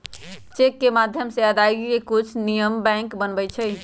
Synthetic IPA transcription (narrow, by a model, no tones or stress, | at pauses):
t͡ʃekːemad̪ʱjəmseəd̪aɡiekut͡ʃʰnijəmbɛ̃ŋkbənbɛt͡ʃʰɛ